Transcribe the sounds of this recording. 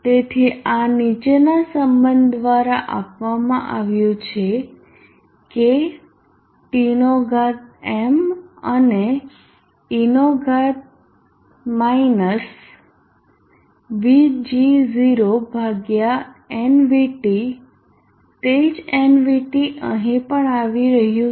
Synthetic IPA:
t̪et̪ʰianit͡ʃenasəmbənd̪d̪ʋaɾaʔapʋamã̰ʔaʋjũt͡ʃʰe | ke | ʈinoɡʱat̪̚eməne | inoɡʱat̪̚ | mainəs | ʋid͡ʒiziɾobʱaɡjaenʋiʈi | t̪ed͡ʒenʋiʈiʔəɦĩpəɳaʋiɾəɦjũ

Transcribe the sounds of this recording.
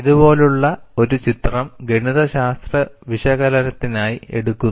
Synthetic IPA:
iðubo̞ːluɭːɐo̞ɾut͡ɕit̪rɐmɡeɳiðɐɕaːst̪rɐʋiʂɐɣɐlɐnɐt̪ːinaːjie̞̰ɽukːun

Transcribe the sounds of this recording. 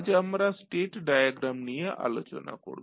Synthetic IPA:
d͡ʑeamɾasʈeʈɖajaɡɾamnijeʔa̰lot͡ɕo̰na̰ko̰ɾb

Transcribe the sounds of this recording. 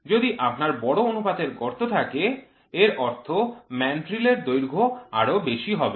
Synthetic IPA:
d͡ʑod̪iʔapnaɾbɔɽoonupad̪eɾɡɔɾt̪ot̪ʰake | eɾɔɾt̪ʰomɛnʈɾileɾd̪ojɾɡʱoa̰ɽobeʃiɦɔbe

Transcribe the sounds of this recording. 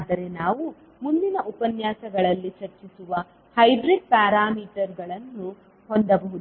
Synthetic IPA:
d̪ɐɾe̞naːʋu | mund̪inɐʔupɐnjaːsɐɡɐɭɐlːit͡ʃɐɾt͡ʃisuʋɐ | hɐjɖɾeɖ̚paːɾaːmiːʈɐɾɡɐɭɐnːu | hond̪ɐbɐɦud̪

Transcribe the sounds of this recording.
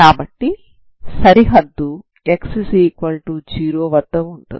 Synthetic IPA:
kaːbɐʈːi | sɐɾiɦɐd̪ːu | eksisiːkʋɐlʈud͡ʒiːɾoːʋɐd̪ːɐmuɳʈṵ

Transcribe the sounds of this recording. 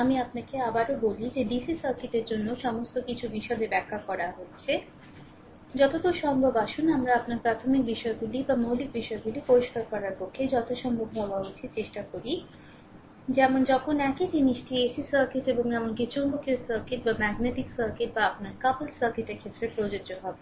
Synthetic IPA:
amiapnakeabaɾobolid͡ʑeɖisisɐɾkiʈeɾd͡ʑonːoʃɔmost̪okit͡ɕʰubiʃɔbebɛkʰːakɔɾaɦotːɕʰe | d͡ʑɔt̪ot̪oʃɔŋbʱobaʃunamɾaapnaɾpɾat̪ʰomik̚biʃɔeɡulibamolik̚biʃɔeɡulipoɾoʃkaɾkɔɾaɾpokʰːed͡ʑɔt̪ʰoʃɔmbʱobɦɔwaɦot͡ɕʰit͡ɕeʃʈakoɾi | d͡ʑɛmond͡ʑɔkʰonɛked͡ʑiniʃʈiesisɐɾkiʈeboŋd͡ʑɛmonkit͡ɕoŋbokesɐɾkiʈbamɛɡneʈiksɐɾkiʈ̚baapnaɾkaplsɐɾkiʈeɾkʰet̪ːɾepɾod͡ʑod͡ʑoɦɔbe

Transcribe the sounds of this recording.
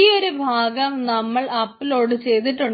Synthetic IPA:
ijoɾubʱaːɡɐmnɐmːɐɭɐpːilo̞ːɽɨt͡ɕe̞jt̪iʈːuɳ

